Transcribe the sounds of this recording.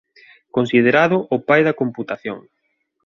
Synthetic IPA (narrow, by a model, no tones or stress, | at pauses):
konsið̞eɾaðʊʔʊpajðɐkomput̪aθjoŋ